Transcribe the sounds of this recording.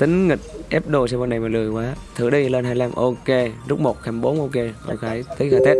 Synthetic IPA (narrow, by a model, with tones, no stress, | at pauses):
t̪ï˨˦ŋ̟ŋï˨˩k̟̚ʔɛ˦˥p̚ɗo˧sɛ˧m˧na˨˩jmaː˨˩lɨ˨˩əjkwaː˨˦t̪ʰɨ̰˧˩ɗi˧le˧nɦaː˧jla˧mʔo˧ke˧zu˦˥k͡p̚mo˨˩t̚xaː˧˩mɓo˨˦nʔo˧ke˧ʔo̰˧ke˨˧˦jt̪ʰi˨˦˥aː˧˩t̪ɛ˦˥p̚